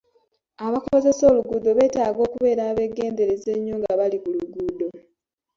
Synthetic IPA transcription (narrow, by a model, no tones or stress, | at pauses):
aβakooze̞so̞ːluɡuːdo̞βe̞ːtaːɡo̞ːkuβe̞ːɾaːβe̞ɡe̞ːnde̞ɾeze̞ɲːoŋɡaβalikuluɡuːdo̞